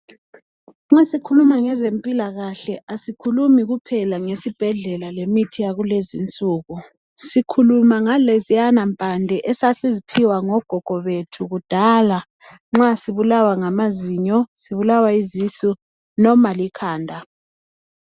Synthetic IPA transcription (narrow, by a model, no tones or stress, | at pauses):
ŋ͡ǁasikʰulumaŋɛzempʼilaɣaɬɛasikʰulumiɣupʰɛlaŋesib̥ʱɛɮɛlalemitʰijaɣulezint͡sʼuːɣu | sikʰulumaŋalɛzijanampʼandʱɛʔɛsasezipʰiwaŋɔɡ̥ʱɔɡ̥ʱɔβetʰuɣud̥ʱala | ŋ͡ǁasiβulawaŋamaziɲɔsiβulawaizisu | nɔmalikʰaːndʱa